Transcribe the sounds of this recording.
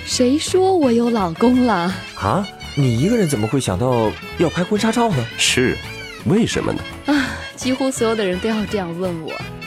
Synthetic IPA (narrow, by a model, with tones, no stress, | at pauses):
ʂe˧˥ɪʂwɔ˥wɔ˨˩jo˧˥ʊlɑ˨˩ʊkʊ˥ŋlə˨ | xa̰˧˦ | ni˨˩i˧˥ɡə˧ɻə˧˥nt͡sə˨˩nmə˦˧xwe˥˩ɪɕjɑ˨˩ŋt̪ɑ˥˩ʊ | jɑ˥˩ʊpʰa˥ɪkwa˥nʈ͡ʂʰa˥ʈ͡ʂʰɑ˥˩ʊnə˩ʂɻ̩˥˩ | we˥˩ɪʂə̰˧˥nmə̰˧nə̰˩ | ɐ˥˩ | t͡ɕi˥xu˥swɔ˧˥jo˨˩ʊd̪ə˧ɻə˧˥nt̪o˥˧jɑ˥˧ʊʈ͡ʂɤ˥˧jɑ˥˧ŋwə˥˩nwɔ̰˨˩˦